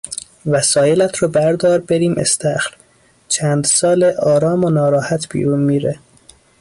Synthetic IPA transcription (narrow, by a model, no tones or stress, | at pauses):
væsɒːjelæt̪ʰɾɒːbæɾd̪ɒːɾbeɾiːmʔḛst̪æxl | t͡ʃʰæːnd̪sɒːleʔɒːɾɒːmonɒːɾɒːhæt̪ʰb̥ḭːɾuːnmiːɾe